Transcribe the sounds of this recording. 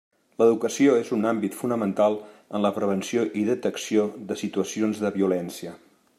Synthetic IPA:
ləðukəsioezunambit̪funəmənt̪alˠənləpɾəβ̞ənsioʔiðət̪əksioðəsit̪uəsionzðəβiulɛnsiə

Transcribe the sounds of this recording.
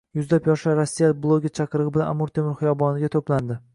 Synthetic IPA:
jʊzlapjɒʃaɾosːijalɪblˠoɡʲɪt͡ʃʰɑqɨɾɨʁɨbɪlana̰muɾt̪ʰemɪɾχɨjɒbɒnɪɡʲat̪ʰopland̪ɪ

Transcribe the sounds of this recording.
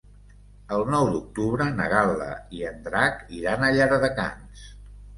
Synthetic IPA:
əlˠnɔwd̪uk̚t̪uβɾənə̰ɣalˠə̰iənd̪ɾakiɾanəʎaɾəðəka̰ns

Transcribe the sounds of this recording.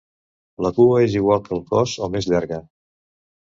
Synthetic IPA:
ləkuəeziɣ̞walˠkəuŋpɔzomezʎaɾɣə

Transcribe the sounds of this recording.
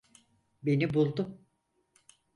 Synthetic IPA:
be̞nibulˠd̪ʊm

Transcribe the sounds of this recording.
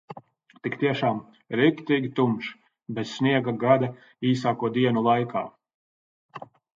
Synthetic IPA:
t̪ikt̪iɛʃaːm | ɾikt̪iːɡʲit̪umʃ | bɛt̪sniɛɡaɡad̪ɐ | iːs̬aːkuɔd̪iɛnulˠajkʰa̰ː

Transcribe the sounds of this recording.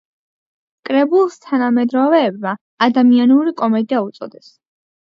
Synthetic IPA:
kʼɾɛbulˠst̪ʰanamɛd̪ɾɔvɛːbmaː | d̪amianuɾikʼɔmɛd̪iaut̪sʼɔ̰d̪ɛs

